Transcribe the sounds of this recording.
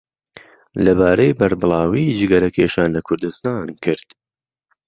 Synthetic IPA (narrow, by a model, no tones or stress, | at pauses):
lɐbaːɾɐjbɐɾbɨlˠɑːwiːd͡ʒɨɡɐɾɐkʰeːʃaːnlɐkʰʊɾd̪ɨst̪aːnkʰɨɾd̪̥